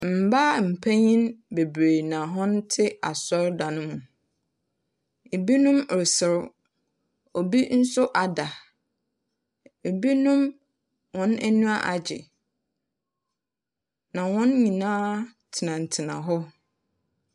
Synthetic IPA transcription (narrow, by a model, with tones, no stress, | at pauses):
m̩˨ba˦m̩˨pʰæ˦ɲĩ˦nbe˨bɾe˨nã˨ɦɔ̃˦n˦tʰɪ˦a̰˨sɔ˦ɾda˨nʊ̃˦mũ˨ | e˨bi˦nʊ̃˦m˨ɾsɪ˨ɾ | o˨bi˦n̩˦sʊ˦ʔa˨da˨ | e˨bi˦nʊ̃˦m | wɔ̃˨˦næ˦nũ˦a˦ʔa˨d͡ʑɪ̰˨ | nã˨wɔ̃˦nɲĩ˨nãː˦tʰɪ˨nã˨n̩˨tʰɪ˨nã̰˨ɦɔ˦